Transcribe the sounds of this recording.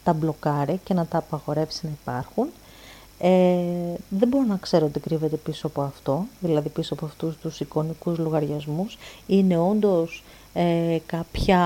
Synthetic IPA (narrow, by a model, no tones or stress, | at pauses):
t̪ɐblo̞kɐɾice̞nɐt̪ɐːpɐɣo̞ɾe̞fsi̥nɐipɐɾxun | e | ðebo̞ɾonɐkse̞ɾoot̪ikɾive̞t̪e̞pisoɐpo̞ɐft̪o̞ðilɐðipisoɐpo̞ɐft̪ust̪usiko̞nikuzloɣɐɾʝɐzmusine̞o̞nd̪o̞s | ekɐpçɐ